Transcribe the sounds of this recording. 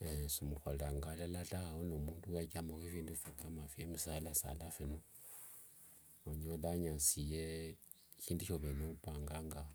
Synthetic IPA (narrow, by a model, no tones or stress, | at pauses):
esimuxolɾaŋɡalalatahaonomuːnduwakamokefiːndufekʰamafiemisahlasa̰lafeno | oɲodaɲasije | çiːnduʃoβenopaːŋɡaŋɡa